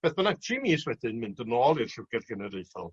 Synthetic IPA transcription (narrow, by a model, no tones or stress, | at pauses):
b̥eːθbənaɡtʰimiːswɛdɪnmɨndənoːlˠir̥ɬʊwɡ̥ɛrɡ̥ənəɾeɨθɔ̰lˠ